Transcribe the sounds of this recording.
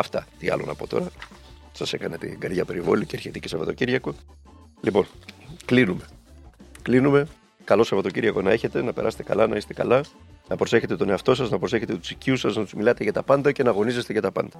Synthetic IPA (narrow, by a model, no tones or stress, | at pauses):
ɐft̪ɐt̪iɐ̰lo̞̰nɐ̰po̞t̪o̞̰ɾɐ | sɐse̞kɐnet̪ḭɡɐɾðʝɐpe̞ɾivo̞̰liceɐɾçet̪icesɐvɐt̪ociɾʝɐko̞ | lipo̞nklinume̞ | klinume̞ | kɐlo̞sɐvɐt̪o̞ciɾʝɐko̞nɐe̞çe̞t̪e̞nɐpe̞ɾɐse̥t̪kɐ̰lɐnɐise̥t̪e̞kɐ̰lɐ | nɐpɾo̞se̞çe̞t̪et̪o̞ne̞ɐft̪o̞sɐznɐpɾo̞se̞çe̞t̪et̪u̥siciusɐznɐt̪uzmilɐt̪e̞ʝɐt̪ɐpɐnd̪ɐce̞nɐɣo̞nizest̪e̞ʝɐt̪ɐpɐ̰nd̪̥ɐ